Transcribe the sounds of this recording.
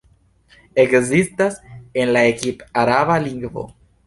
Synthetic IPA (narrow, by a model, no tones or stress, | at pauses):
ekzist̪asenlaekipaɾaβaliŋɡvo̰